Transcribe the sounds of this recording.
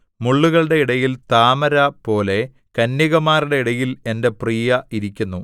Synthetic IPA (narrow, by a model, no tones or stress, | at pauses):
muɭːuɣɐɭɽe̞iɽɐjilt̪aːmɐɾɐpo̞ːle̞ | kɐnjiɣɐmaːriɽe̞iɽɐjile̞nde̞priːjɐiɾikʲːunːu